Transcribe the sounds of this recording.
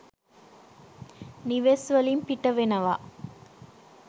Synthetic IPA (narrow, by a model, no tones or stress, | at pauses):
niʋeːsʋɐlimpiʈːɐʋenɐʋa̰ː